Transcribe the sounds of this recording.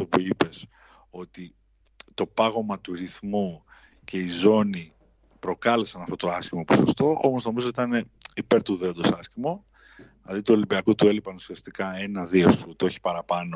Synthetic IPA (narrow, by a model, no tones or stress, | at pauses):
to̞puipe̞s | o̞t̪i | t̪o̞pɐɣo̞mɐt̪uɾiθmu | ce̞izo̞ni | pɾo̞kɐle̞sɐnɐft̪o̞t̪o̞ɐscimoposost̪o̞ʔo̞mo̞zno̞mizo̞t̪it̪ɐne̞ipe̞ɾt̪uðe̞ond̪o̞sɐscimo | ɐðit̪uo̞libiɐkot̪ue̞lipɐnusiɐst̪ikɐe̞nɐðio̞sut̪io̞çi̥pɐɾɐpɐno̞